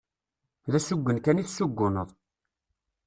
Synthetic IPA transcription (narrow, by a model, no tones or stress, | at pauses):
ðæsuɡʷːənkæniθsuɡːʊnəðˤ